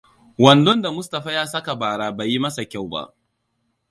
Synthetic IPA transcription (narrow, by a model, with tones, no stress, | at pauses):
wɐ˨ndɔ˦nda˨mʊ˦sta˨ɸaː˦jaː˦sɐ˦ka˨baː˨ɽaː˦ba˨ji˦mɐ˦sa˨kʲa˦˨wba̰˦ʔ